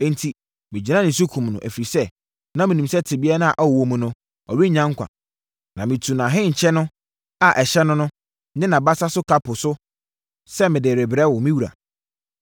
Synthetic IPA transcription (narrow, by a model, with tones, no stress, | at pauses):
ɛ̃˦n˦tʰi˨ | mɪ̃˨d͡ʑi˨ã˦nɪ̃˨s̬u˦kʰũ˨mnʊ̰̃˨ʔæ˨fi˨ɾi˨sɛ˦ | nã˦mĩ˨nĩ˨msɛ˦tʰɪ˨bi˦ɛ˦nã˦˨ʔa˨wwõ˨mũ˨nʊ̃˨ | ɔ˨ɥi˦ɲã˦ŋ˦kʷʰã̰˨ | nã˨mɪ̃˨tʰu˨nã˨ɦɪ̃˦ɲ̩˨t͡ɕʰɛ˦nʊ̃˦ | a˨ʔɛ˨ɕɛ˦nʊ̃˦nʊ̃˦ | nɪ̃˦nã˨ba˦sa˦sʊ˦kʰa˦pʰʊ˨sʊ˦ | sɛ˦mɪ̃˨dɪ˨ɾɪ˨bɪ˨ɾɛ˦wʊ˨mĩ˦wu˨ɾa̰˨